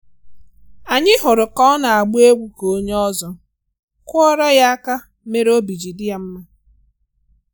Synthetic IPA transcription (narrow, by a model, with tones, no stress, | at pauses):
a˨ɲɪ˦ɦʊ˨ɾʊ˨kɔ˦na˨a˨ɡ͡bʊ˦e˦ɡʷu˦ko˦ɲe˦ɔ˦zɔ˦ | kʊ˦ɔ˦ɾa˦ja˦a˦ka˦ | me˦ɾo˦bi˨d͡ʒi˨dɪ˦ja˨m̩˦ma˦